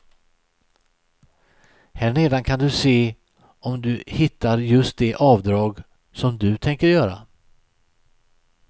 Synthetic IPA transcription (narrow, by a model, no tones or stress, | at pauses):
hæɳeːd̪ankʰand̪ɵseː | ʔɔmd̪ɵhɪt̪ːaɾjɵst̪̚d̪ɛʔɑːvd̪ɾɑːɡ | sɔmd̪ɵt̪ʰɛŋkəɾjœːɾa̰